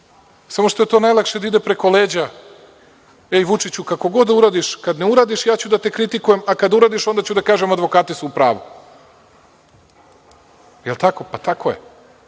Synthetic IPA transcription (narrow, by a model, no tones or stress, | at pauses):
samoʃt̪o̞e̞t̪o̞ːnajlˠakʃed̪aid̪e̞pɾe̞ko̞leːd͡ʑa | eiʋut͡ʃit͡ɕukako̞ɡo̞d̪ːauɾaːd̪iʃkad̪ne̞uɾaːd̪iʃjaːt͡ɕud̪at̪e̞kɾit̪ikuje̞makad̪auɾaːd̪iʃo̞nd̪at͡ɕud̪akaːʒemad̪ʋo̞kaːt̪isuːpɾaːʋṵ | jelˠt̪ako̞pat̪akojḛ